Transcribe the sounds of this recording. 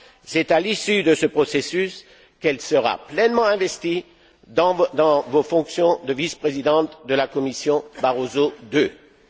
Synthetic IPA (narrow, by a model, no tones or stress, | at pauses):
sɛt̪alisyd̪əsəpχɔsesys | kɛlsəʁa̰plɛnmɑ̃ɛ̃vɛst̪i | d̪ɑ̃d̪ɑ̃vofɔ̃ksjɔ̃d̪əvispχezid̪ɑ̃t̪d̪əlakɔmisjɔ̃baʁozod̪ø